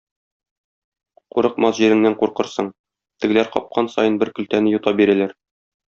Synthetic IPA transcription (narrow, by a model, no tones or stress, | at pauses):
quɾɤ̆qmɑsʑiɾɘ̆ŋnæɴquɾqɤ̆ɾsɤɴ | t̪ɘ̆ɡɘ̆læɾqɒ̰p̚qʰɑnsɒ̰jɤnbɘɾkɵ̆lt̪ænɘjut̪ɑbiɾælæɾ